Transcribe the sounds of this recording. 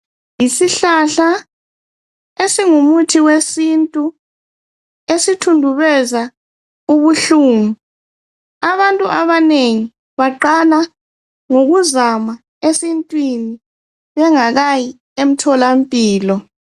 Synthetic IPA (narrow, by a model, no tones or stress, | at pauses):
jisiɬaɬa | esiŋumutʰiwesintʼu | esitʰundʱuβɛza | uβuɬuːŋu | aβantʼuʔaβaneŋi | βaǃala | ŋoɣuzama | esintʼwini | βɛŋaɣaji | em̩tʰɔlampʼiːlɔ